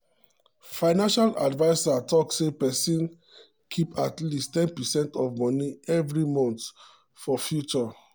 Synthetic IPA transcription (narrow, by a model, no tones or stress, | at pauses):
fãɪnãnʃalʔa̰dvaɪsatɔksepɛsĩn | kʰipatlistɛ̃npɛsɛ̃ntɔvmɔniɛvɹimɔ̃nt | fɔfjut͡ʃɔ